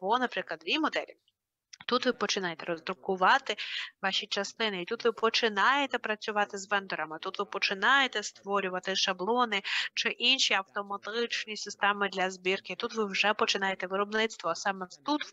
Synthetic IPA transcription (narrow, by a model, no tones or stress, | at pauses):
bɔnɐpɾɪklˠɐd̪ʋʲimɔd̪ɛ̰lʲḭ | t̪ut̪ʋɪpɔt͡ʃɪnɑjet̪ɛɾɔzd̪ɾʊkʊʋɑt̪ɪʋɑʃʲit͡ʃɐst̪ɪnɪit̪ut̪ʋɪpɔt͡ʃɪnɑjet̪ɛpɾɐt͡sʲʊʋɑt̪ɪzʋɛnd̪ɔɾɐmɪt̪ut̪ʋɪpɔt͡ʃɪnɑjet̪ɛst̪ʋɔɾʲʊʋɐt̪ɪʃɐblˠɔnɪt͡ʃɪʔinʲʃiɐwt̪ɔmɐt̪ɪt͡ʃnʲisɪst̪ɛmɪd̪lʲɐzbʲirkɪit̪ut̪ʋɪwʒɛpɔt͡ʃɪnɑjet̪ɛʋɪɾɔbnɪt̪st̪ʋɔsɑmɛt̪ut̪